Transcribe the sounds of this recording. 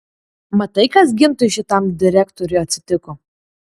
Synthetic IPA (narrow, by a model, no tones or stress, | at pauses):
mɐt̪ɐɪkɐsɡʲɪmt̪ʊɪʃʲɪt̪ɐmd̪ʲɪɾʲækt̪ɔɾʲʊɪɐt̪ʲsʲɪt̪ʲɪkɔ